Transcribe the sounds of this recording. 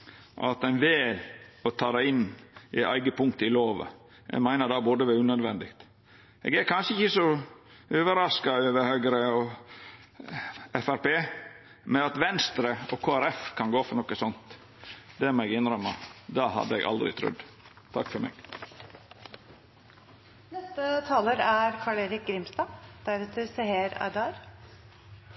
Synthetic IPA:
ʔɑ̰t̪æɪnʋeːlɔt̪ʰɑːd̪æɪnːʔɪʔæ̰ɪɡəpʰʊŋkt̪əɪloːʋə̰ | ʔɛ̰ɡmæɪnəɾd̪ɑːbod̪əʋæʉːnœd̪ʋɛnd̪ɪkt̪ | ɛ̰ːɡæɾkʰɑnʂəɪçəsɔ | øːʋəɾɑskɑøːʋəɾhøːɡəɾəɔ | ɛfæɾpeː | mɛɑt̪ʋɛnst̪ɾəɔkʰoːæɾɛfkʰɑnɡoːfɔɾɳɔkːəsɔnt̪ | d̪ɛæmɔɛɡɪnɾœmɑ̰d̪ɑːhɑ̰d̪ːəɛ̰ɡʔɑ̰ld̪ɾɪ̰t̪ʰɾʉ̰d̪ | t̪ʰɑ̰kːfɔɾmɛ̰ɡ | nɛst̪ət̪ʰɑːləɾæɾkʰɑːɭeːɾɪk̚ɡɾɪmst̪ɑːd̪̥æɾɛt̪ʰəseheːɾæ̰d̪ɑːɾ

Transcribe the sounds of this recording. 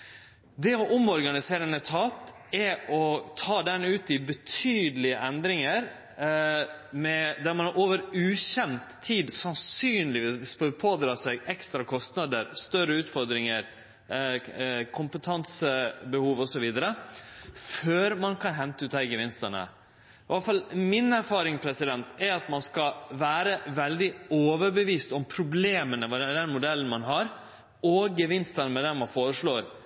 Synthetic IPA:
d̪ɛɔʔʊmɔɾɡɑnɪseːɾənət̪ʰɑːp̪ | ɛɔt̪ʰɑːd̪ɛnʉːt̪ɪbət̪ʰyːd̪əlɪəʔɛnd̪ɾɪŋəɾ | mɛd̪æɾmɑnɑɾʔoːʋəɾʉːɕɛnt̪ʰːiːd̪sɑnsyːnlɪʋiːsppʰoːd̪ɾɑːsɛɡɛkst̪ɾɑkʰɔst̪nɑd̪əɾst̪œɾəʉːt̪fɔɾd̪ɾɪŋəɾ | kʰʊmpət̪ʰɑnsəbəhuːʋɔsɔʋiːd̪əɾə | føːɾmɑnkʰɑnɦɛnt̪əʉːt̪ɑɪɡəʋɪnst̪əɳə̰ | ɑlfɑlmɪnæɾfɑːɾɪŋpʰɾɛsɪd̪ɛnt̪ʰɛɾɑt̪mɑnskɑʋæːɾəʋɛld̪ɪoːʋəɾbəʋiːst̪ɔmpʰɾʊbleːmənəʋɑd̪d̪ɛnmʊd̪ɛlːən̩mɑnɦɑɾ | ɔɡəʋɪnst̪ənəmɛd̪ɛnmɑnfoːɾəʂɭoːɾ

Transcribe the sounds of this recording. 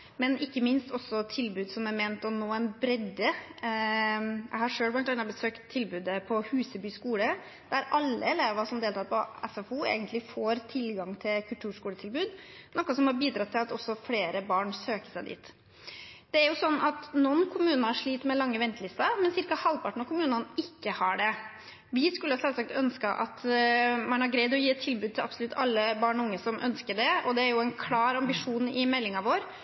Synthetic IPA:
mɛnʔɪkːəmɪnst̪ʰɔsːɔt̪ʰɪlbʉːd̪sɔmæɾmeːnt̪ɔnoːɛnbɾɛd̪ːə | jʔæ̰ɪhɑʂøːlʋɑnt̪ɑnɑbəsøːkt̪ʰːɪlbʉːd̪əpʰɔhʉːsəbyːskuːlə | d̪̥æɾɑlːəɛleːʋɑʂɔmd̪eːlt̪ʰɑt̪pʰɔɛfɛfuḛːɡənt̪lɪfoːɾt̪ʰɪlɡɑŋt̪ʰɪlkʰʉlt̪ʰʉːʂkuːlət̪ʰɪlbʉːd̪ | nɔkːɑsɔmhɑɾbiːd̪ɾɑt̪ʰːɪlɑt̪ɔsːɔfleːɾəbɑːɳsøːkə̥sæɪd̪ḭːt̪ | d̪̥ɛæɾjʊsɔnːɑt̪nɔnkʰʊmʉːnɑɑʂɭiːt̪mɛlɑŋːəʋɛnt̪əlɪst̪ɑmɛnsɪɾkɑhɑlʋpʰɑʈɳ̩ɔkʊmʉːnɑnɪkːəhɑɖɛ | ʋɪskʉləhɑsɛlsɑk̚t̪œnskɑʔɑt̪mɑɳɑɡɾɛɪd̪ɔjiːɛt̪ʰːɪlbʉd̪̚t̪ɪlɑpsɔlʉt̪ʰːɑlːəbɑːɳɔʊŋːəsɔmʔœ̰nskəɖɛɔd̪ɛæɾjʊɛɪnkʰlɑːɾɑmbɪʂuːnɪmɛlːɪŋɑʋoːɾ

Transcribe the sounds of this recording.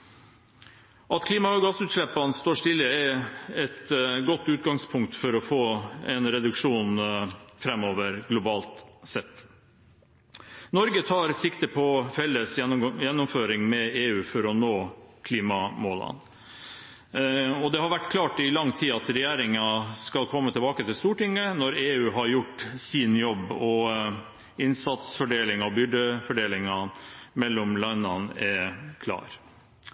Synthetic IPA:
ɑt̪kʰliːmɑɡɑsʉːt̪ʂɭɛpːɑnst̪oːʂt̪ɪlːəɛɛt̪ɡɔt̪ːʉːt̪ɡɑŋspʰʊŋk̚t̪fɔɾɔfoːɛnɾɛd̪ʉkʂuːnfɾɛmːoːʋəɾɡlʊbɑːlt̪sɛt̪ː | nɔɾɡət̪ʰɑːɾsɪkt̪əpʰɔfɛlːəsjjɛnːɔmføːɾɪŋmɛeːʉːfɔɾɔnoːkʰliːmɑmoːlɑ̰n | ɔd̪ɛhɑɾʋæʈːkʰlɑːʈɪlɑŋːt̪ʰiːɑt̪ɾɛjeːɾɪŋɑskɑlkʰɔmːət̪ʰɪlbɑːkət̪ʰɪlst̪uːʈɪŋːənɔɾeːʉːɦɑɾjʊʈsiːnjɔbːɔ | ɪnsɑt̪sfɔɖeːlɪŋɑɔbʏɖəfɔɖeːlɪŋɑmɛlːɔmlɑnːɑnɛkʰlɑ̰ːɾ

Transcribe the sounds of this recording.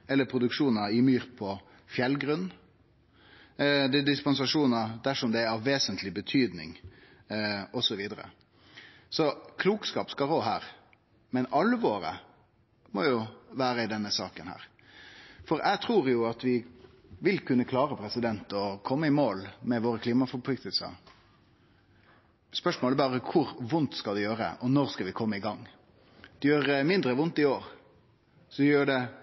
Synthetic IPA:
ɛlːəpʰɾʊd̪ʉkʂuːnɑɪmyːɾpʰɔ | fjɛlɡɾʉnː | d̪ɛd̪ɪspɑnsɑʂuːnɑd̪æʂɔmd̪ɛæɾɑʋʋeːsənt̪ʰlɪbət̪ʰyːd̪nɪ̰ŋ | ʔɔsɔʋiːd̪əɾə̰ | sɔkʰluːkskɑːpskɑɾoːɦæːɾ | mɛnɑlːəʋoːɾə̰ | mɔjʊʋæːɾəɪd̪ɛnːəsɑːkənhæ̰ːɾ | fɔɾæɪɡt̪ʰɾuːɾjʊɑt̪ʋɪ | ʋɪlkʰʉnːəkʰlɑːɾəpʰɾɛsɪd̪ɛnt̪ɔkʰɔmːəɪmoːlmɛʋoːɾəkʰliːmɑfɔɾpʰlʏk̚t̪ʰəlsə̰ | spœʂmoːlɛbɑːʁəkʰʊɾʋʊnt̪skɑd̪ɛjøːɾə̰ʔɔnɔɾskɑʋɪkʰɔmːəɪɡɑŋː | d̪̥ɛjøːɾmɪnd̪ɾəʋʊnt̪ɪoːɾ | sɔɛjøːɖɛ

